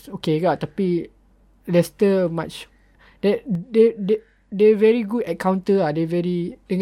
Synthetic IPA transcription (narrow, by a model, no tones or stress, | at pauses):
sokeɡat̪api | lɛstəmat͡ʃ | d̥ɛtdɛd | dɛvɛɹiɡudɛkʰãw̃ntəadɛvɛɹide